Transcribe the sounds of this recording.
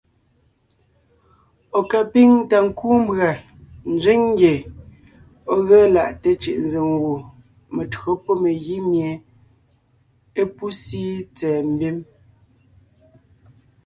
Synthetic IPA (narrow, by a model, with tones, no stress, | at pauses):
o˨ka˨pi˦ŋ˦ta˨ŋ̩˨kuː˦m˦bɰa˨ | n̩˨d͡ʒi˦ŋŋ˦ɡje˨ | ɔ˦ɣə˦la˨ʔte˦t͡ʃi˨ʔn̩˨ze˨ŋ˨ɣo˨ | me˨tɰo˦po˦me˨ɣi˦mje˨ | e˦pu˦si˦t͡sɛː˨m̩˦bi˦m